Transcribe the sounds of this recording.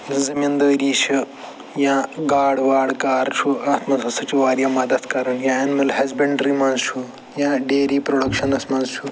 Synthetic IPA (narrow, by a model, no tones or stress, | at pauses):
zɐmind̪ɐːɾiːt͡ʃʰu | jãːɡaːɽʋaːɽkaːɾt͡ʃʰuaːt̪mɐt̪ʰɐsɐt͡ʃʰuʋaːɾjɐmɐd̪ɐt̪kɐɾɐnjãːɐnimɐlhɐzbɐɳɖɾimɐ̃ːnzt͡ʃʰu | jãːɖeːɾiːpɾoɽɐkʃɐnɐsmɐnzt͡ʃʰu